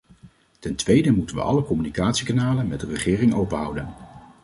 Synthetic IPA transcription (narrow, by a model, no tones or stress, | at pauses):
tɛntʋejdəmutənʋə̰ʔɑ̰ləkɔmynikaːtsikanaːlənmɛd̚ərəχɪːrɪŋowpənɦʌ̰wdən